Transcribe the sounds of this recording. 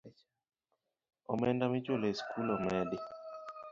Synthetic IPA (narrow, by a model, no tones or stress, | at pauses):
ɔ̰mɛndamit͡ʃwoleskʰulɔmɛdɪ